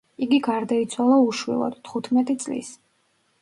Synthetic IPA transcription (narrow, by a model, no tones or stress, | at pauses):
iɡiɡaɾd̪ait̪sʰwalˠauʃwḭlˠɔ̰d̪̥t̪ʰχut̪ʰmɛt̪ʼit̪sʼlḭs